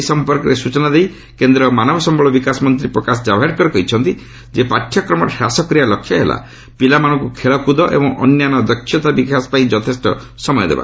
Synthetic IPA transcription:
sɔmpɔɾkɔɾesut͡ʃɔnad̪ej | kend̪ɾɔmanɔbɔsɔmbɔɭɔbikasɔmɔnt̪ɾipɾɔkasɔd͡ʒabʱaɾkɔɾɔkɔɦit͡ʃʰɔnt̪i | d͡ʒepaʈʰːjɔkɾɔmɔʈʰasɔkɾialɔkʰːjɔɦela̰ | pilamanɔ̃ŋkukʰeɭɔkud̪ɔʔḛbɔŋɔ̰njanɔd̪ɔkʰːjɔt̪abikasɔ̥paĩd͡ʒɔt̪ʰesʈɔ̰sɔmɔjɔd̪ḛba̰

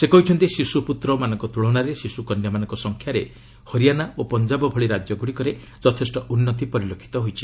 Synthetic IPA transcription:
sekɔɦit͡ʃʰɔnt̪isisuput̪ɾɔmanɔŋkɔt̪uɭɔɽaɾesisukɔnjamanɔ̃ŋkɔsɔŋkʰjaɾe | hɔɾijanaopɔnd͡ʒabɔbʱɔɭiɾad͡ʒjɔɡuɽikɔɾe | d͡ʒɔt̪ʰesʈɔʔunːɔt̪̬ipɔɾilokʰi̥t̪ɔɦojt͡ʃʰi̥

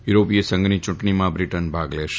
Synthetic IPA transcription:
juɾoːpijɐsɐŋɡɐnit͡ʃʊʈɐɳimaːbɾiʈɐnbʱaːɡleːʂ

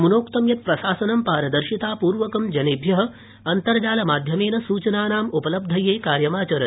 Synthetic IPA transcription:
munoːkt̪ɐmjɐt̪̚pɾɐʃaːsɐnɐmpaːɾɐd̪ɐɾʃit̪aːpuːɾʋɐkɐmd͡ʒɐnibʱjɐɦɐ̆ | ɐnt̪ɐɾd͡ʒaːlɐmaːd̪ʱjɐmeːnɐsuːt͡ʃɐnaːnaːmupɐlɐb̚d̪ʱɐjeːkaːɾjɐmaːt͡ʃɐɾɐ

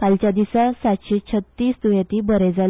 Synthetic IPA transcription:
kalt͡ɕad̪isasat̪ɕit͡ɕʰət̪ːiːsd̪ujat̪iːbəɾɛd͡zal

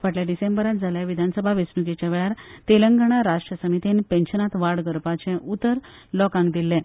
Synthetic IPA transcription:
ʋəʈljaɖisẽmbəɾat̪̚d͡zʱaljaʋid̪ʱansəbʱaʋesnuket͡ɕaʋeɭjaɾt̪eləŋɡəɽ̃aɾaʂʈɾəsəmit̪inpẽnɕənat̪ʋaɽɡəɾpat͡ɕɛ̃ʔut̪əɾlɔkãŋɡd̪ilːɛ̃

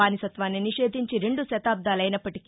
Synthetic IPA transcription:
aːnisɐt̪ʋaːnːiniʂeːd̪ʱiɲt͡ʃiɾe̞ɳɖuʃɐt̪aːb̚d̪aːlɐjnɐpːɐʈik

